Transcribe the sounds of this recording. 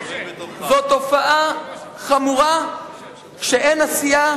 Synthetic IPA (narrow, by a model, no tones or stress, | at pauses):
zot̪o̞faʔaχamuʁa | ʃeʔenasija